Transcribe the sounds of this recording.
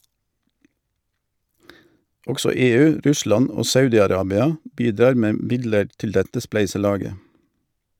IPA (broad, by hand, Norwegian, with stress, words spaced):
ˈɔɡsɔ ˈeːˌʉː ˈɾʉˌslɑn ˈoː ˈsɑʉdɪɑˌɾɑːbɪɑ ˈbiːˌdɑːʁ ˈmeː ˈmɪdləʁ ˈtɪl ˈdɛtə ˈsplæɪsəˌlɑːɡə